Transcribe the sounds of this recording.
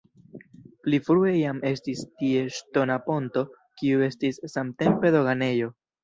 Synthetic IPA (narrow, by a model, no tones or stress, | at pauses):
plifɾue̞jame̞stistie̞ʃto̞napo̞nto̞ | kiue̞stisːamte̞mpe̞do̞ɡane̞jo̞